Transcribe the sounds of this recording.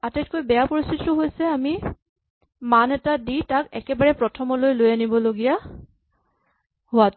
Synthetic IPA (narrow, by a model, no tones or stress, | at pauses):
atɛt̚kojbɛjapoɹistʰititʊɦojsɛami | manɛtaditakɛkɛbaɹɛpɹɔtʰɔmɔlojlojanibɔloɡija | hʊat